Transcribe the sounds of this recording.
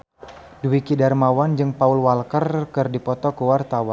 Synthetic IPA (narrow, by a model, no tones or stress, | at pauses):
duwikidarmawand͡ʒɨŋpaulwalkərkɨrdipɔt̪ɔkəwart̪awan